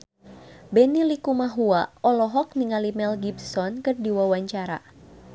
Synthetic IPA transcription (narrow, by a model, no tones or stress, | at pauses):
bɛnilikumaɦuaɔlɔɦɔk̚niŋalimɛlɡibsɔnkɨrdiwawaɲt͡ʃaɾa̰